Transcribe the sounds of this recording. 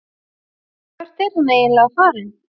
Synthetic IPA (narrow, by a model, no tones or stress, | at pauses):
kʰvɛɾ̥t̪ɛɾ̥huneːjɪnlɛɣfaːɾɪn